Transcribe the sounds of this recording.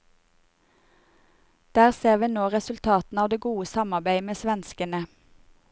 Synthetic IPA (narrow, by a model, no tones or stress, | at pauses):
d̪̥æːʁseːʁʋiːnoːʁɛsʉlt̪ʰɑːt̪n̩ɑːʋd̪eːɡuːəsɑmɑʁbæɪmeːsʋɛnskənə